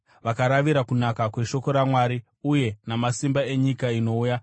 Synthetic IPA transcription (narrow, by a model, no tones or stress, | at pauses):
ʋakaɾaʋiɾakunakakwe̞ʃo̞ko̞ɾamwaːɾi | uje̞namasimbae̞ɲikaino̞uːja